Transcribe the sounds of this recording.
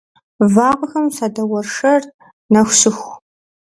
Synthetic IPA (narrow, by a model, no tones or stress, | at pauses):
vaːqɐxɐmsaːdɐwɐrʂɐr | nɐxɕɨxʷ